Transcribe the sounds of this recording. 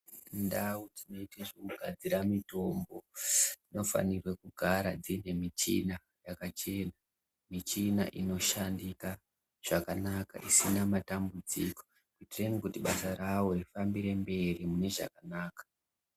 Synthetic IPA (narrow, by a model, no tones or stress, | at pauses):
ndawud͡zino̞iteʐokuɡʱad͡ziɾamito̞mbo̞d͡zino̞fa̰nirwekuɡʱaɾad͡zine̞mit͡ʃḭna | jakat͡ʃe̞na | mit͡ʃina̰ʔino̞ʃandika | ʐ̥akanaka̰ʔisinamatambud͡ziko̞̥ | kitirenikutiɓasaɾawo̞rifambiɾe̞mbe̞rimune̞ʐa̰kanaːkḁ